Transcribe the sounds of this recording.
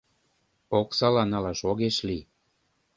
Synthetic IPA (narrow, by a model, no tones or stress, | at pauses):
oksɑlɑnɑlɑʃoɣeʃli